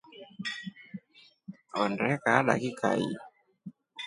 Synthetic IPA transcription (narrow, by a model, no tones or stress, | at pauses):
ɔndɛkaaɗa̰kikʰa̰ḭ